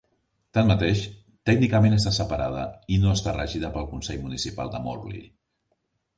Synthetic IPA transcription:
t̪anmət̪eʃ | t̪ɛɡnikəmenəst̪asəpəɾað̞ə̰inoəst̪arəʒiðəpəlˠkunsɛʎmunisipa̰lˠd̪əmo̰rlḭ

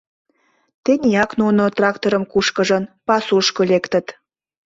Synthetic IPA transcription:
t̪enʲijɑknunot̪rɑkt̪oɾəmkuʃkə̆ʒə̆npɑsuʃkolekt̪ə̆t̪

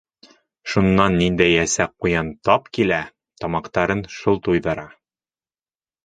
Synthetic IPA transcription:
ʃunːɑnːind̪æjæsæq̚qːujɑnt̪ɒpkilæ | t̪ɒmɑqt̪ɑɾɤnʃulˠt̪ujðɤ̆ɾɑ

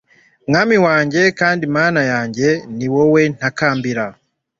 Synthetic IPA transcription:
mŋamiwaːɲɟe̞kaːndimaːnajaːɲɟe̞niwowe̞n̥akaːmbiɾa

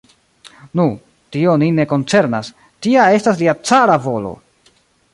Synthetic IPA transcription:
nu | tio̞nine̞ko̞nt͡se̞ɾnas | tiae̞stasliat͡saɾavo̞lo̞̰

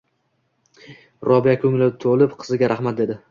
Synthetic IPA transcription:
ɾɒbijakʰɵŋlɪt̪ʰolˠɪpqʰɨzɪɡʲaɾʔaχmat̪̚d̪e̞d̪ɪ

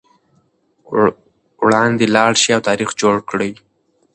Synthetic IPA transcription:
wɽɑnd̪elɑɽʃiawt̪ɑɾixd͡ʒoɽkɽəj

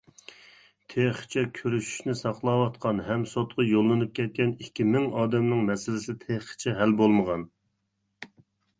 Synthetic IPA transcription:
t̪ʰeχt͡ʃʰɛkʲʰøɾyʃy̥ʃnɪsɑqlˠɑːwɑt̪qʰɑnɦɛmsot̪̚qʰɑjolˠːɨnɨp̚kʲʰɛt̪̚kʲɛnikʲːimɪŋɑːd̪ɛmnɪŋmɛsɪlɪsɪt̪ʰeχt͡ʃʰɛɦælbolˠməʁɑn

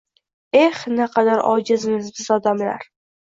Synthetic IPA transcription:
e̞hnɪqʰɑd̪aɾɒ̰d͡ʒɪzmɪzbɪzɒd̪amla̰ɾ

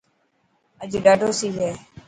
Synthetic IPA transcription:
əd͡ʒɖaːɖʱoːsiːɦɛː

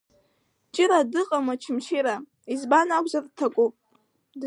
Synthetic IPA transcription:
t͡ʃʼɪɾadɨqʼamat͡ʃʰɪmʃiɾa | izbanakʷʼzartʰakʷʼupʼ | d

